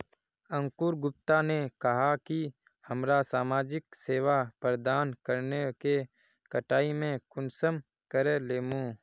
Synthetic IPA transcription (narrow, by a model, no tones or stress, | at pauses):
ə̃ŋkuːɾɡʊp̚t̪anekɐɦaki | hɐmɾasaːmaːd͡ʒɪkseːʋapɾəd̪aːnkəɾneke | kəʈaːimẽkʊnsəm | kəɾeleːmũ